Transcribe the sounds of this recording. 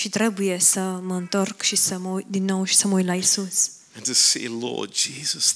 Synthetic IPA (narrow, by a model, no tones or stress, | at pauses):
ʃit̪ɾɛbujesɐmɐnt̪oɾkʃisɐmojd̪inowʃi̥sɐmojlajsus | ɛ̃ntɨsḛlɔ̰d̚d͡ʒizɐs